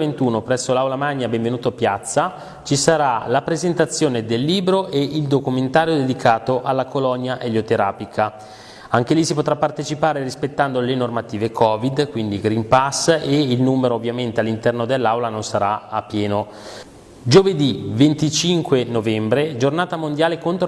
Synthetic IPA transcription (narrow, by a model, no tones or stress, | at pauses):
event̪uːnopɾɛsːolawlamaɲːabeɱvenuːt̪oapjat̪sːa | t͡ʃisaɾalapɾezent̪at̪sːjoːned̪elːiːbɾoʔeild̪okument̪aːɾjod̪ed̪ikʰaːt̪oʔalːakolɔnjaʔeljot̪eɾaːpikʰa | aŋkelisipot̪ɾapːart̪et͡ʃipaːɾerispet̪ːand̪olenormat̪iːvekʰɔːvid̪kwind̪iɡɾimpaseilnuːmeɾoːvːjament̪ealːint̪ɛrnod̪elːawlanonsaɾaapːjɛːno | d͡ʒoved̪ivent̪it͡ʃiŋkwenovɛmbɾed͡ʒornaːt̪amond̪jaːlekont̪ɾ